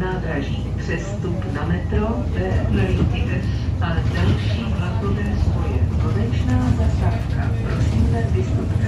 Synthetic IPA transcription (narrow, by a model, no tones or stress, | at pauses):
naːd̪ɾaʒipr̝̥ɛst̪upnamɛt̪ovɛːnaic̪ɪd̪ɛadalʃiːklak̪ovɛːzvojɛkonɛt͡ʃnaːzast̪aːfka̰pɾosiːmlɛvɪst̪up